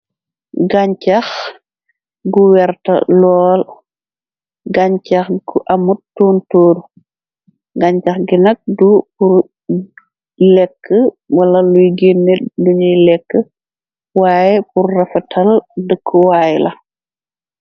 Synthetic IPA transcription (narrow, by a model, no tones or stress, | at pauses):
ɡaɲt͡ʃɐx | ɡuwɛɾtɐ̰lɔːl | ɡaɲcɐxɡuʔɐmuttːuːntoːɾu | ɡaɲcɐxɡinɐk̚dupur | lɛkːə | wɐlɐlujɡinːɛduɲilɛkːə | waːjɛpurːɐfɐtʰɐldəkʰːəwaːjlɐ